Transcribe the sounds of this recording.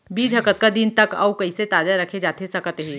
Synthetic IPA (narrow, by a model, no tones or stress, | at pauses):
biːd͡ʒʱɦɐkət̪̚kad̪int̪ɐkɐ̰wkɐiset̪aːd͡ʒaɾɐkʰed͡ʒaːt̪eɦsɐkət̪ɦɛ̃ː